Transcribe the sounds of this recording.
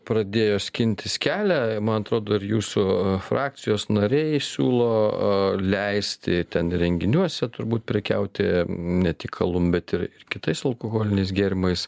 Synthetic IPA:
pɾɐd̪ʲeːjoːsʲkʲɪnʲt̪ʲɪskʲæːlʲæmɐnɐt̪ɾoːd̪oːɪɾjuːsʊfɾɑːk̚sʲɪjoːsnɐɾʲɛɪsʲuːlˠoːlʲɛɪsʲt̪ʲɪt̪ʲɛnɾʲɛŋʲɡʲɪnʲuɔsʲɛt̪ʊɾbuːt̪̚pʲɾʲɪkʲɛ̰ʊt̪ʲɪnʲɛt̪ʲɪkʰːɐlˠʊmbʲɛt̪ɪɾɪrkʲɪt̪ɐɪsɐlˠkoɣoːlʲɪnʲɛɪs̬ɡʲeːɾʲɪmɐɪs

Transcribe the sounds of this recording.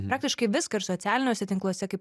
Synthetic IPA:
pɾɑːk̚t̪ʲɪʃkɐɪʋʲɪskɐɪɾsoːt̪ʲæːlʲɪnʲoːsʲɛt̪ʲɪŋklˠuɔsʲɛkɐɪp

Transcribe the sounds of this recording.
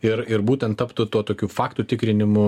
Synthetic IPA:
ɪɾɪɾbuːt̪ʲɛnt̪t̪ɐpt̪ʊt̪uɔt̪oːkʲuːfɑːkt̪ut̪ʲɪkɾʲɪnʲɪmʊ

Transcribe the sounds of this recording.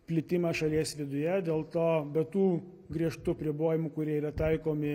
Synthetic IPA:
pʲlʲɪt̪ʲɪmɑʃɐlʲiɛsʋʲɪd̪ʊjɛd̪ʲeːlˠt̪oːbʲɛt̪uː | ɡɾʲiɛʃt̪ʊɐpʲɾʲɪboːjɪmʊkʊɾʲiɛiɾɐt̪ɐɪkoːmʲɪ

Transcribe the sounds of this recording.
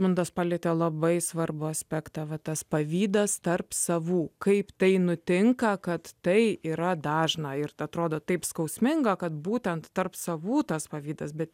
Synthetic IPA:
mʊnd̪oːspɑːlʲɪt̪ʲeːlˠɐbɐɪsʋɐrbʊɐsʲpʲæːkt̪ɑʋɐt̪ɐspɐʋʲiːd̪ɐst̪ɐrpsɐʋuːkɐɪpt̪ɐɪnʊt̪ʲɪŋkɐkɐt̪tɐɪiːɾɐd̪ɑːʒnɑɪrɐt̪ɾoːd̪oːt̪ɐɪpskɐʊsʲmʲɪŋɡɐkɐt̪buːt̪ʲɛnt̪tɐrpsɐʋuːt̪ɐspɐʋʲiːd̪ɐsbʲɛt̪

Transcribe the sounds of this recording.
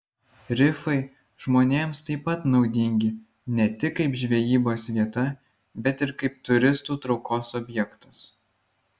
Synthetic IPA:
ɾʲɪfɐɪ | ʒmoːnʲeːmst̪ɐɪpɐt̪nɒʊd̪ʲɪŋʲɡʲɪ | nʲɛt̪ʲɪkːɐɪpʒʲʋʲɛjiːboːsʋʲiɛt̪ɐ | bʲɛt̪ɪɾkɐɪp̚t̪ʊɾʲɪst̪uːt̪ɾɒʊkoːsɔbʲjɛkt̪ɐ̥s

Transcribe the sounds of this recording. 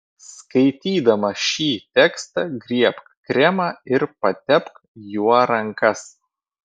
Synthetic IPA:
skɐɪt̪ʲiːd̪ɐmɐʃʲiːt̪ʲɛkst̪ɐɡɾʲiɛpkkɾʲɛmɐɪɾpɐt̪ʲɛpk | juɔɾɐŋkɐs

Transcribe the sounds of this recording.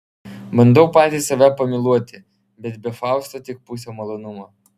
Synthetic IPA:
bɐnd̪ɐʊpɑːt̪ʲiːsɐʋʲæpɐmʲɪlˠuɔt̪ʲɪ | bʲɛt̪̚bʲɛfɑˑʊst̪ot̪ʲɪk̚pusʲomɐlˠonʊmɐ

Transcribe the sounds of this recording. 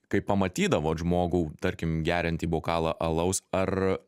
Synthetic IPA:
kɐɪppːɐmɐt̪ʲiːd̪ɐʋoːʒmoːɡuːt̪ɐɾʲkʲɪmɡʲæːɾʲɪnʲt̪ʲiːboːkɑːlˠɐʔɐlˠɐʊsɐr

